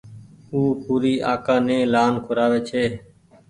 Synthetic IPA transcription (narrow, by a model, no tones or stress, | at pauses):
uːpuːɾiːʔaːkãːnẽːlaːnkʰʊɾaːʋeːt͡ʃʰeː